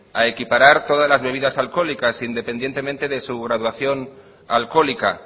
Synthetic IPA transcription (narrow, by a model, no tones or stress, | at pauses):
aekipaɾaɾt̪o̞ð̞azlazβe̞β̞iðasalko̞likasind̪e̞pe̞nd̪jent̪emẽnt̪eðe̞suɣɾaðwaθjo̞n | alko̞lika̰